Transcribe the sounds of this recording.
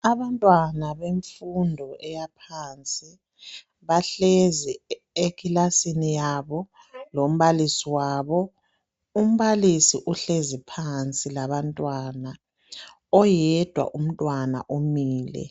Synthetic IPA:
aβantʼwanaβeɱfundʱɔʔɛjapʰant͡sʼi | βaɬezi | ekʰʼilasinijaβɔ | lom̩βalisiwaːβɔ | um̩βalisiʔuɬezipʰant͡sʼilaβantʼwana | ɔjɛd̥ʱwa̰ʔum̩tʼwana̰ʔomiːlɛ̰

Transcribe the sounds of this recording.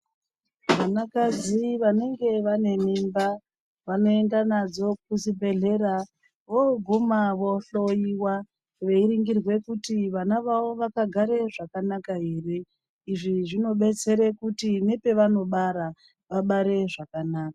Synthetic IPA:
ʋanakaziʋane̞ŋɡe̞ʋane̞mimba | ʋano̞endanad͡zo̞k̚uzibʱe̞ɮe̞ɾa | ʋoɡʱumaʋo̞ɬo̞jiwa | ʋe̞iɾiŋɡirwe̞kutiʋanaʋawo̞ʋakaɡʱaɾe̞ʐakanakaɦe̞re̞ | iʐiʐino̞ɓe̞t͡se̞ɾekutine̞pe̞ʋano̞ɓaɾa | ʋaɓaɾe̞ʐakanaːkḁ

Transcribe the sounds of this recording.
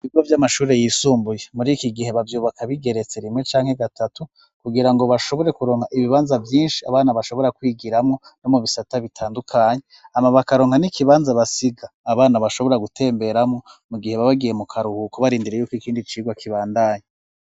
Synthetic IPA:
iβiɡovjamaʃuːɾe̞jiːsuːmbuje̞muɾiːkiɡihe̞βavjuːβakʰaβiɡe̞ɾe̞t͡se̞ɾimŋe̞t͡ʃaːŋhe̞ɡatatu | kuɡiɾaŋɡo̞βaʃo̞βo̞ɾe̞kuɾoːŋhaʔiβiβaːnzavjiːnʃi̥aβaːnaβaʃo̞βo̞ɾakwiːɡiɾamŋo̞no̞muβisataβitʰaːndukʰaːɲe̞amaβakaɾo̞ːŋhanikiβaːnzaβasiɡaːβaːnaβaʃo̞βo̞ɾaɡutʰe̞ːmbe̞ɾamŋo̞muɡihe̞βaβaɡije̞mukʰaɾuhukoβaɾiːndiɾejuːkoikiːndit͡ʃiːɡwakʰiβaːndaːɲa

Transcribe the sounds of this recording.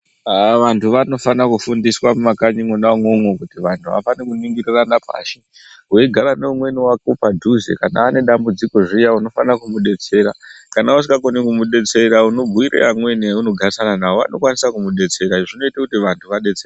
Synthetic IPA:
aʋantʰuʋano̞fanakufundiswamumakaɲiŋonaŋoŋokutiʋantʰuʋa̰fanikuniŋɡiriranapa̰ːʃe | ɦueɡʱaɾane̞umwe̞niwakopadʱuzḛkana̰ːne̞ɗambud͡ziko̞ʐijauno̞fanakumuɗe̞t͡se̞ɾakanaus̬iɡakonikumuɗe̞t͡se̞ɾauno̞bʱuiɾḛamwe̞niuno̞ɡʱasananaɦoa̰no̞kwanisakumuɗe̞t͡se̞ɾaʐino̞itakutiʋantʰuʋaɗe̞t͡serea

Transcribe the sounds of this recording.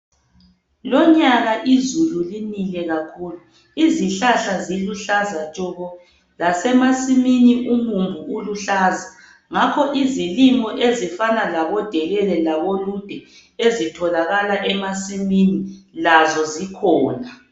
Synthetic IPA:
lɔɲaɣaʔizululinilɛɣakʰuːlu | iziɬaɬaziluɬazat͡ʃʼɔɣɔ | lasɛmasiminiʔumumvʱuːluɬaːza | ŋakʰɔʔizilimɔʔezifanalaβɔd̥ʱɛɣɛlɛlaβolud̥ʱɛ | ezitʰɔlaɣalaʔɛmasiminilazɔzikʰɔːna

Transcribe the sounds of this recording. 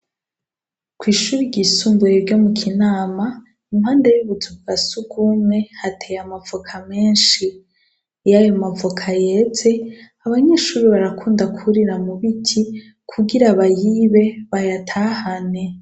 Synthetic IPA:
kwiːʃuːɾiɾɟiːsuːmbuɾeɾɟo̞mukʰinaːma | imhaːndejuβuzuuɡasuɡumŋe̞hatʰejamavokʰame̞ːnʃi | jajomavokʰaje̞t͡se̞ | aβaɲe̞ːʃuːɾiβaɾakʰuːndakuɾiɾamuβitʰi | kʰuɡiɾaβajiːβe̞βajatʰaːhane̞

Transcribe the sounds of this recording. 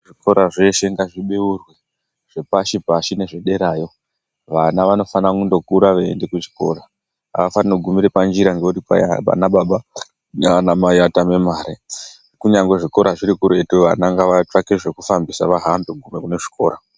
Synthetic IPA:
ʐiko̞ɾaʐe̞ʃe̞ŋɡaʐiɓeurwe | ʐ̥e̞paʃibʱaʃine̞ʐeɗe̞ɾaːjo̞ | ʋanaʋano̞fanakundo̞kuɾaʋḛːnde̞kut͡ʃi̥ko̞̰ːɾa | a̰ʋafaninoɡʱumiɾepand͡ʒiɾaŋɡeutipa̰aa̰naɓaɓa | anamajatame̞maːɾe | kuɲaŋɡwe̞ʐiko̞ɾaʐiɾikuɾe̞tuʋa̰naŋɡaʋat͡ʂakeʐe̞kufambisaʋaɦamboɡʱume̞kune̞ʐi̥ko̞ːɾa

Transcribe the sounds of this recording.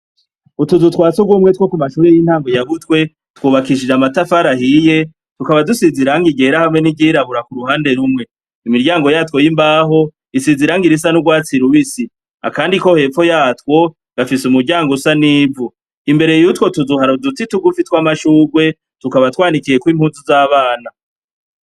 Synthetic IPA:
utuzutwaːt͡suɡumŋetwo̞kumaʃuːɾejin̥haːŋɡo̞jaɡutkwe̞ | twuːβakiʃ̬id͡ʒamatafaɾahije̞ | tukaβadusiziɾaŋɡiɡe̞ɾahamŋe̞niɟiɾaβuɾakuɾuhaːnde̞ɾumŋe̞ | imiɾɟaːŋɡo̞jaːtwo̞jimbaːɦo̞ | isiziɾaŋɡiɾis̬anuɡwaːt͡siɾuβisi | a̰kaːndiko̞he̞ːfo̞jaːtwo̞ | ɡ̥afisumuɾɟaːŋɡosaniːvu | imbe̞ɾejutwo̞tuzuhaɾodut͡situɡufitwamaʃuːɾɡwe̞ | tukaβatwaːnikije̞kwiːmhuːnzuzaːβaːna

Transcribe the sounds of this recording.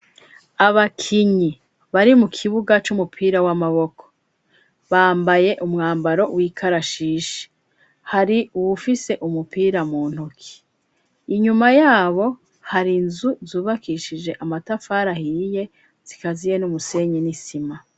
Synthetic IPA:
aβakʰiɲi | βaɾimukʰiβuɡat͡ʃumupʰiːɾawamaβo̞kʰo̥ | βaːmbaje̞ʔumŋaːmbaɾo̞wiːkʰaɾaʃiːʃe̥ | haɾiuwufise̞ʔumupiːɾamuːn̥hukʰi̥ː | ɲumajaːβo̞ | haɾinzuzuːβakiʃid͡ʒe̞ʔamatafaːɾahije̞ | z̥ikazije̞numuse̞ɲenisima

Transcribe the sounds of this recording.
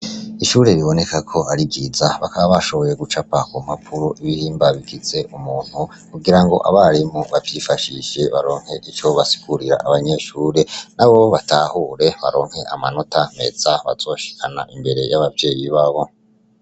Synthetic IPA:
iʃuːɾe̞βiβo̞ne̞kakʰo̞aɾibɡizaβakaβaβaʃo̞βo̞je̞ɡut͡ʃapakum̥apʰuɾoʔiβihiːmbaβikize̞ʔumuːn̥hu | kuɡiɾaŋɡo̞̰ʔa̰βaɾimoβavjifaʃiʃe̞βaɾo̞ːŋ̥he̞ʔit͡ʃo̞βasi̥ɡuɾiɾa̰ʔaβaɲe̞ʃuːɾe̞naβoβataːhuːɾe̞βa̰ɾo̞ːŋ̥he̞ʔamano̞tame̞̰z̥aβa̰z̥o̞ʃi̥kʰana̰ʔimbe̞ɾe̞jaβavje̞ːjiβaβo̞

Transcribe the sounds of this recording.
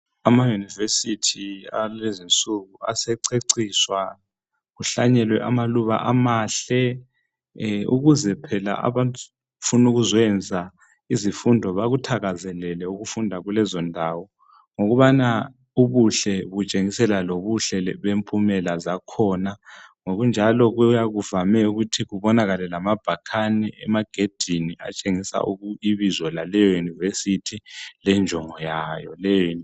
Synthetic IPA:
amajunivesitʰia̰ezint͡sʼuɣuasɛǀeǀiːswa | ɣuɬaɲɛlwɛʔamaluβa̰ʔamaːɬɛ | ṵɣuzɛpʰɛla̰ʔa̰βantʼu | funuɣuzɛnd͡zʱa | izifundʱɔβaɣutʰaɣazɛlɛlɛuɣufundʱaɣulɛzɔndʱaːwɔ | ŋoɣuβana | uβuɬɛβut͡ʃʼeŋisɛlaloβuɬɛβempʼumɛlazakʰɔnaŋoɣund͡ʒʱalɔɣujaɣuvamɛuɣutʰiɣuβɔnaɣalɛlamab̥ʱakʰaniʔɛmaɡ̥ʱed̥ʱinia̰t͡ʃʼeŋisa̰ʔuɣuiβizɔlalɛjɔjunivesitʰilɛnd͡ʒʱɔŋɔjajɔ̰lɛjɔ

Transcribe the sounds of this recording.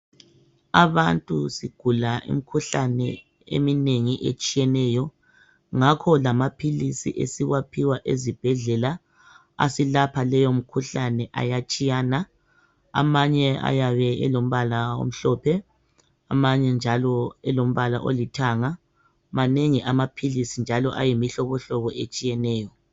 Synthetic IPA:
aβantʼusiɡ̥ʱulaʔḭmikʰuɬanɛ | ḛmineŋiʔet͡ʃʼijɛnɛjɔ | ŋakʰɔlamapʰilisiʔḛsiɣwapʰiwaʔezib̥ʱɛɮɛla | a̰silapʰalɛjom̩kʰuɬanɛʔa̰jat͡ʃʼijaːna | a̰maɲɛa̰jaβɛɛ̰lom̩βalao̰m̩ɬɔpʰɛ | amaɲɛnd͡ʒʱalɔɛlom̩βala̰ʔo̰litʰaːŋa | maneŋiʔamapʰilisind͡ʒʱalɔʔa̰jimiɬɔβɔɬɔβɔʔet͡ʃʼijɛnɛːjɔ

